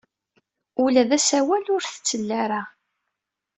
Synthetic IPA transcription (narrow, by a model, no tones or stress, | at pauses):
ulæðæsæwælʊɾθət͡sːəlːæɾa